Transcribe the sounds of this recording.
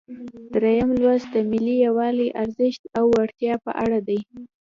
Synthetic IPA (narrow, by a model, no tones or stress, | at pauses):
d̪ɾejamlwazd̪əmɪlijawɑliʔaɾzɪʃt̪awːaɽt̪jɑpə̰ʔaɽad̪aj